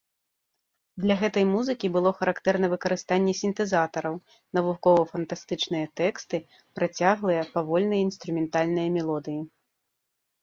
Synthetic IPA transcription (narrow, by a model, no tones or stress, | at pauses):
d̪lʲɐɣɛt̪ɐjmuzɨkʲibɨlˠɔxɐɾakt̪ɛrnɐvɨkɐɾɨst̪anʲːɛsʲint̪ɛzat̪ɐɾɐw | nɐvukɔvɐfɐnt̪ast̪ɨt͡ʂnɨjɐt̪ɛkst̪ɨ | pɾat͡sʲaɣlˠɨjɐpavɔlʲnɐjinst̪ɾumʲɛnt̪alʲnɨjɐmʲɛlˠɔd̪ɨji